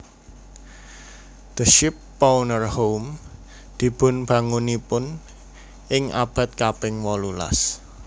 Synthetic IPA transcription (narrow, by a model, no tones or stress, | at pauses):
d̪̥əʃɪpː | awnərhowm | d̪̥i̤b̥ʊ̤nb̥ä̤ŋunipʊn | ɪŋʔa̰b̥ä̤t̪̚kapɪŋwɔlula̰s